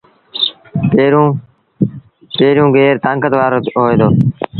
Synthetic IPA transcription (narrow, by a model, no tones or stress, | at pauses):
eɾ̃ː | peːɾjũːɡʱeːɾt̪ãːŋkət̪ʋaːɾoːɦoːeːd̪oː